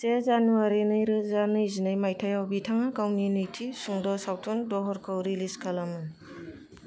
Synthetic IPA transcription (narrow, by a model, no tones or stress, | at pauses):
sezanuaɾinɯjɾɯzanɯjzinɯjmajtʰajawbitʰaŋakawninɯjtʰisuŋdɔsawtʰɔndɔɦɔɾkʰɔwɾiliskʰalamɯ